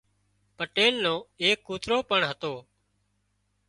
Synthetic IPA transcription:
pəʈeːlnõːeːkːuːt̪ɾoːpəɳɦət̪oː

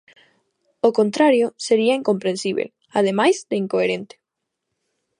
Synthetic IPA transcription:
okont̪ɾaɾjoseɾiaiŋkompɾẽnsiβ̞ḛl | að̞emajzd̪eiŋkoeɾẽnt̪e̥

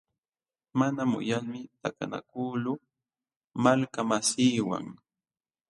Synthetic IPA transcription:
manamʊ̰jaŋmɪt̪aka̰na̰kuːlʊ | malkamasiːwa̰ŋ

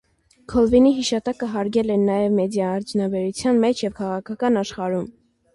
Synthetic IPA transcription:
kʰɔlviniɦiʃɑt̪ɑkəɦɑɾɡɛlɛnɑjɛvmɛd̪jɑːɾt͡sʰunɑbɛɾut͡sʰjɑnmɛt͡ʃʰjɛvkʰɑʁɑkʰɑkɑnɑʃχɑɾum

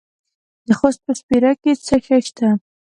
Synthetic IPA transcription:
d̪əxost̪̚pəspiɾaket͡səxaʃt̪a

